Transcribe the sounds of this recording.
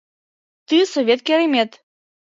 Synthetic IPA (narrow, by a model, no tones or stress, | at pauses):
t̪ɨsɔvʲɛt̪kʲiɾɐmʲɛt̪